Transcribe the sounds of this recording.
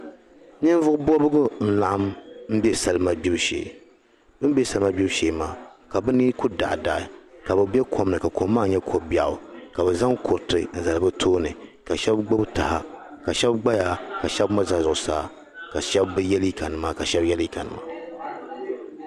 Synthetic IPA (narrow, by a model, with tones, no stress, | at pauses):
ɲɨ˦n˦vʊ˦ʔʊ˦bɔ˦bʊ˦ɡʊ˦n̩˦la˨ʔa˦mm̩˦bɛ˦sa˦˨lma˨bi˦bʃḛː˨ | bɨ˦m˦bɛ˦sa˦lma˦bi˦bʃe˨maː˨ka˨bɨ˦niː˦ku˦da̰˨ʔda˨ɪ˨ka˨bɨ˨bɛ˦kʰo˦mnɨ˨ka˨ko˨˦mːaː˦˨ɲɛ˦kʰo˨bi˦a˨ʔʊ˨ka˨bɛ˨za˦ŋkʰo˨ɾtɨ˨n̩˦za˨lɨ˨bɨ˦tʰoː˦nɨ˨ka˨ʃɛ˦bɡ͡bo˦bta˨ha˦ka˨ʃɛ˦bɡ͡ba˦jaː˦ka˨ʃɛ˦bma˦za˨zʊ˨ʔʊ˨saː˦ | ka˨ʃɛ˦bbɨ˦jɛ˦li˦ka˨nɨ˨maː˦ka˨ʃɛ˦bjɛ˦li˦ka˨nɨ̰˨ma̰˦